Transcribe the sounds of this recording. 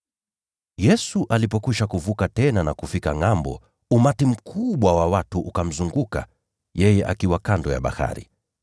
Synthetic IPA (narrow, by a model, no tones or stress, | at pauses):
jɛsuʔalipɔkuʃakuvukatɛnanakufikaŋambɔ̰ | umatim̩kʰuɓwawawatuʔukam̩zuŋɡuka̰ | jɛjɛʔa̰kiwakandɔja̰ɓa̰ha̰ɾḭ